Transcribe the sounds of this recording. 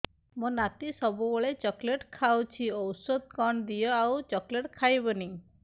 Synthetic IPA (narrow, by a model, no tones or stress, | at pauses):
mõnat̪isɔbuɡoɭet͡ʃɔkleʈkʰawt͡ʃʰiɔwsod̪̚kɔɳd̪ijɔawt͡ʃɔkleʈkʰajbɔni